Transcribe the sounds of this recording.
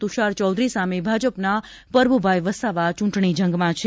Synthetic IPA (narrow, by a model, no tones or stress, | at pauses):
t̪uʃaɾt͡ʃɔwd̪ɾisamebʱad͡ʒəpna | pəɾbubʱajʋəsaʋat͡ʃũɳʈɳid͡ʒəŋɡmãt͡ʃʰe